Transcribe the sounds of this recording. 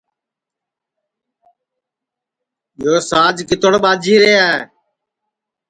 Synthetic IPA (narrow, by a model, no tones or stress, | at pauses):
ɓɪjoːsaːd͡ʒkɪt̪əɽɓaːd͡ʒiːɾeːaːɦeː